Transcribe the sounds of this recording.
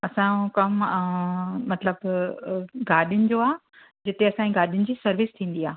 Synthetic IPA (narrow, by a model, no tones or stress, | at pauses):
ɐsãkɐm | mɐt̪ləb | ɡaːɗijʊnɪ̆d͡ʑoaː | d͡ʑɪt̪eɐsãĩɡaːɗijʊnɪ̆d͡ʑiːsɐɾʋɪst̪ʰĩːn̆d̪iaː